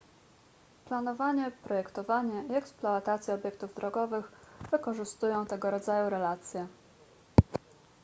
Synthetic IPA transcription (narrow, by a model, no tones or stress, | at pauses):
planɔvaɲɛpɾɔjɛkt̪ɔvaɲɛiɛksplɔat̪at̪sʲjɛɔbʲjɛk̚t̪uvd̪ɾɔɡɔvɘɣvɘkɔʐɘst̪ujɔ̃w̃t̪ɛɡɔɾɔd̪zajuɾɛlat̪sʲjɛ